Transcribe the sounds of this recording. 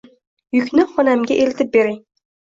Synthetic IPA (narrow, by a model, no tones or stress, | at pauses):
jʊkʲnɪχɒnamɡʲaʔelɪt̪ɪp̚beɾɪŋ